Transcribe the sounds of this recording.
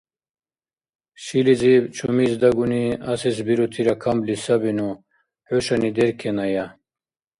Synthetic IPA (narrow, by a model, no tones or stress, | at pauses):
ɕilizibt͡ɕʰumizd̪ɐɡuniɐsisbiɾot̪ʰiɾakʰamblisɐbinu | huɕanid̪eɾkʰenaja